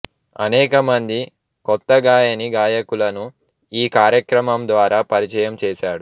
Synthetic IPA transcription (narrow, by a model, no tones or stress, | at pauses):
ɐ̰nɛːkɐmɐnd̪i | kɔt̪ːɐɡaːjɐniɡaːjɐkulɐnu | iːkaːɾjɐkɾɐmɐmd̪ʋaːɾaːpɐɾit͡ʃɐjɐmt͡ʃɛːʃaːɽu